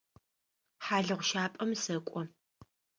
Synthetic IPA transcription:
ħaːɮɨʁʷʊʃaːpʼɐmsɐkʷʼɔ

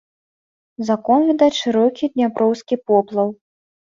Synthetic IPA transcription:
zakɔnvʲid̪aʂɨɾɔkʲid̪ʲnʲapɾɔwskʲipɔplˠɐw

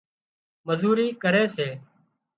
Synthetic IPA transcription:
məzuːɾiːkəɾeːseː

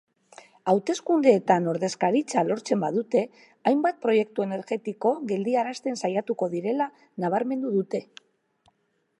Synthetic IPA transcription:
awt̪e̞skund̪e̞ːt̪ano̞ɾðe̞skaɾit͡salo̞ɾt͡se̞mbaðut̪e̞ | ajmbat̪̚pɾo̞je̞k̚t̪ue̞ne̞ɾɣe̞t̪iko̞ɣe̞ld̪iaɾast̪e̞nsajat̪uko̞ðiɾe̞la | naβ̞aɾme̞nd̪uðut̪e̞

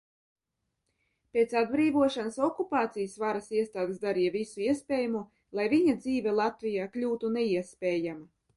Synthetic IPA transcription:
pʲet̪sad̪̚bɾiːvuɔʃanasɔkupaːt̪sijasvaɾasiɛst̪aːd̪esd̪aɾijavisuiɛspʲeːjumu | lˠajviɲad̪ziːvʲɛlˠat̪vijaːklʲuːt̪unɛiɛspʲeːjama

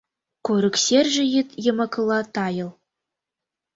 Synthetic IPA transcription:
koɾɘ̆ksʲerʲʒɘ̆jit̪jɤ̆mɑ̆kɤ̆lˠɑt̪ɑjɤ̆lˠ

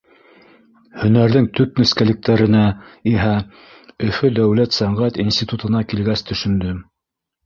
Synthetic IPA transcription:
hɵ̆næɾðɘŋt̪ɵp̚nɵ̆skælɘ̆k̚t̪æɾɘ̆næiɦæ | ɵ̆fɵd̪æwlæt̪sæɴʁæt̪insʲt̪ʲit̪ut̪ɤ̆nɑkilɡæst̪ʰɵ̆ʃɵ̆nd̪ɵ

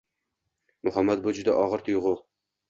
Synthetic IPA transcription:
mʊhamːat̪̚bʊd͡ʒʊd̪aʔɒʁɨɾt̪ʰʊjʁʊ

